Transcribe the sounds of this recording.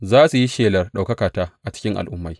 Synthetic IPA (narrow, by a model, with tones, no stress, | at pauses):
zaː˦su˨ji˦ʃeː˨lɐ˨rɗa˨wkɐ˦kaː˨taː˦ʔa˨t͡ʃɪ̥˦kʲɪ˦ŋʔa̰˨lʔʊ˦mːa˦j